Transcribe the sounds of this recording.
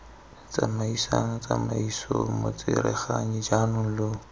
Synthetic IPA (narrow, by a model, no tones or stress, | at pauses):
t͡sʼamaisaŋ̩t͡samaisomot͡sʼɪɾɛχaɲid͡ʒanʊŋ̩lo